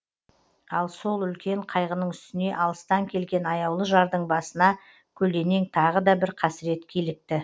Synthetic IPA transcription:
ɑlˠso̞lˠʏlkʲe̞ɴqʰɑjʁənəɴʏst̪ɪne̞ʔɑlˠəst̪ɑŋkʲʰe̞lɡʲe̞nɑjɑwlˠəʒɑɾd̪əɴbɑsənɑ | kʲʰɵld̪e̞ne̞ŋt̪ʰɑʁəd̪ɑbɪɾqʰɑsɪɾe̞t̪kʲʰelɪk̚t̪ɪ

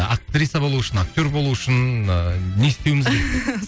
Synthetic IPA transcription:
ak̚t̪ɾʲit̪ːabo̞lˠuɪʃɪnak̚t̪ʲo̞rbo̞lˠuʏʃɪn | ne̞ɪst̪ewmɪzɡʲee

